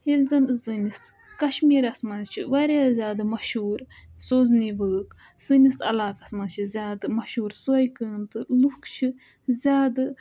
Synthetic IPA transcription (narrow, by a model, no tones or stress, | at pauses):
hilzɐnzɨnis | kɐʃmiːɾɐsmɐnzt͡ʃʰiʋɐɾʲjaːzʲaːd̪ɨmɐʃuːɾsoːzniʋəːk | sɨnʲisɐ̰laːkɐsmɐnt͡ʃʰizʲjaːd̪ɨmɐʃuːɾsojkəːnt̪ɨlukt͡ʃʰi | zʲaːd̪ɨ